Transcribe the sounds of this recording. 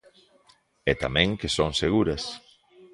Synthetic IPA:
ɛt̪amɛ̃ŋkesoŋseɣ̞uɾɐs

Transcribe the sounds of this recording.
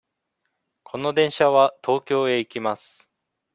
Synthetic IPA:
kʰo̞no̞d̪ẽ̞ɰ̃ɕaβat̪ʰo̞ːkʲo̞ːe̞ikʲimasɨ̥

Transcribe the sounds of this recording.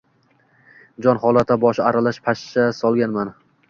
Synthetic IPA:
d͡ʒɒnhɒlˠat̪ʰabɒʃaɾalaʃpʰaʃt͡ʃasɒlˠɡʲanman

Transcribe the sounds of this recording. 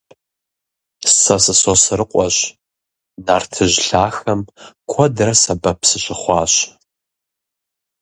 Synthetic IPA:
st͡sʰɐsɨsɔsɨɾɨqʷʼɔɕ | naːrtʰɨʑɬaːxɐmkʷʰɔdrɐsɐbɐpʰsɨɕɪχʷɑːɕ

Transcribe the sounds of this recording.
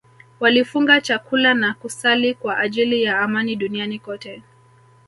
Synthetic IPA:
walifuŋɡat͡ʃakulanakusalikwaʔaʄilijaːmaniɗunianikɔtɛ

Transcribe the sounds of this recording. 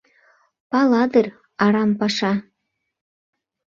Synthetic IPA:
pɑlɑd̪ər | ɑɾɑmpɑʃɑ

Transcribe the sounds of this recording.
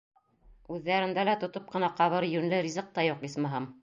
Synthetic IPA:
ʉðːæɾɘ̆nd̪ælæt̪ŏt̪op̚qɤ̆nɑqɑβɤɾjʉnlɘɾʲizɤq̚t̪ɑjuqismɑɦɤm

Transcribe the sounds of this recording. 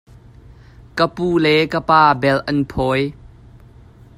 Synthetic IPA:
kəpuːlɛkəpaːbɛlʔɐnpʰɔj

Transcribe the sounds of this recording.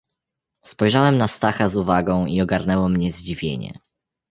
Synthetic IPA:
spɔjʐawɛmnast̪axazuvaɡɔ̃w̃iɔɡaɾnɛwɔmɲɛzd͡ʑivʲjḛɲɛ̰

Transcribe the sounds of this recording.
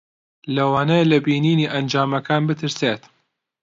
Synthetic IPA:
lɐwaːnɐlɐbiːniːniːʔɐnd͡ʒaːmɐkʰaːnbɨt̪ʰɨɾseːt̪

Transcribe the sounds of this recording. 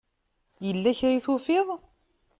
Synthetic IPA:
jəlːæçɾiθufɪðˤ

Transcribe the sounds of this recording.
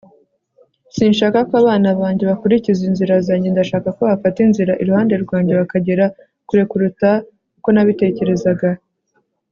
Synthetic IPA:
siːnʃaːkakoaβaːnaβaːɲɟe̞βakuɾicizinziɾazaɲindaʃaːkakoβafatinziɾaʔiɾuhaːnde̞ɾɡwaːɲɟe̞βakaɟeɾa | kuɾe̞kuɾuta | uko̞naβite̞ce̞ɾe̞zaɡa

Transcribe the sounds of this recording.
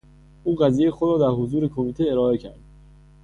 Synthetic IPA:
ʔuːɢæziːjejexod̪ɾɒːd̪æɾɦozuːɾekʰomiːt̪ʰeeɾɒːe̞cʰæ̰ɾd̪̥

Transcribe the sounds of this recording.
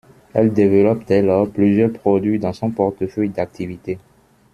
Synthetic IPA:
ɛld̪evəlɔpd̪ɛlɔʁplyzjœʁpχod̪ɥid̪ɑ̃sɔ̃pɔʁt̪əfœjd̪ak̚t̪ivit̪e

